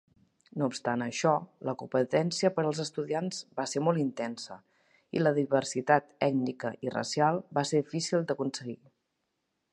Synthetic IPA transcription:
noupst̪anəʃɔləkupət̪ɛnsiəpəɾəlˠzəst̪uðianz̥baseɾmɔlˠint̪ɛnsə | ḭləðiβərsit̪at̪ɛɡnikəʔirə̰sialˠbaseɾðifisilˠd̪əkunsəɣi

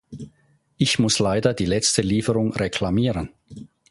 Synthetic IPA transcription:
ʔɪçmʊslaɪdɐdiːlɛt͡stəliːfəʁʊŋʁekʰl̥amiːʁən

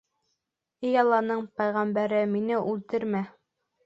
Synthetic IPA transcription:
ɘjɑlˠɑnɤɴpæjʁæmbæɾɘminɘʔʉlt̪ɘɾmæ

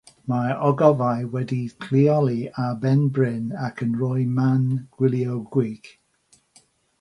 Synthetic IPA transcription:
maɔɡɔvajwɛdikʰl̥iɔlˠiabɛnbɹɪnakʰənɹɔjmanɡ̥wɪlˠjowɡwiɡ̥

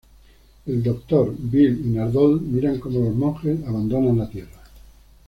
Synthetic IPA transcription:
eld̪okt̪oɾbilinaɾðolmiɾaŋkomolozmõxesaβand̪onãnlat̪jera

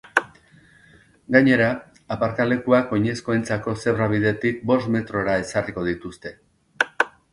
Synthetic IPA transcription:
ɡaɲe̞ɾaː | paɾkale̞kuako̞ɲe̞skoent͡sako̞se̞βraβiðe̞t̪ik̚bo̞st̪me̞t̪ɾo̞ɾae̞sariko̞ð̞it̪ust̪e̞

